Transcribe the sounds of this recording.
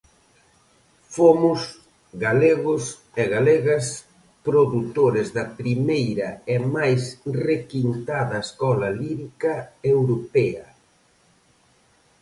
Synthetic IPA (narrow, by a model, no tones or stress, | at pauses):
fomʊs | ɡaleɣʊs | eɣalɛɣɐs | pɾoðut̪oɾɪzðɐpɾimejɾɐɛmajsrekint̪aðɐeskɔlɐliɾikɐewɾopɛɐ